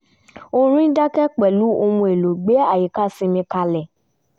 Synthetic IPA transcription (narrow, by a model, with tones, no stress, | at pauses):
o˦ɾ̃ĩ˦da˦kɛ˦k͡pɛ˨lu˨˦o˧mũ˧e˨lo˨ɡ͡be˨˦a˦˨ji˨ka˦sĩ˧mĩ˧ka˧lɛ˨